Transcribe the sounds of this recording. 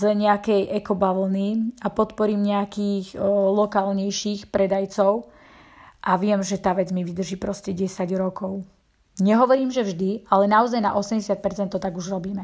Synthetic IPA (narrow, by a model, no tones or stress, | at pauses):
zɛɲɛakɛjʔɛkɔbaʋl̩niapɔt̪pɔɾiːmɲɛakiːxlɔkaːlɲɛjʃiːxpɾɛd̪ajt͡sɔʊ | ʔaʋɪɛmʒɛt̪aːʋɛd͡zmiʋid̪r̩ʒiːpɾɔscɛɟɛsaɟɾɔkɔʊ | ɲɛɦɔʋɔɾiːmʒɛvʒd̪ialɛnaɔzajna̰ʔɔsɛmɟɛsɪat̪̚pɛɾt͡sɛnt̪ːɔt̪aɡuʒɾɔbiːmɛ